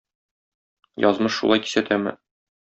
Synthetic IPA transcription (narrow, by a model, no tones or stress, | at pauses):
jɒzmɤʃːṵlˠɑjki̥sæt̪ʰæmɘ̰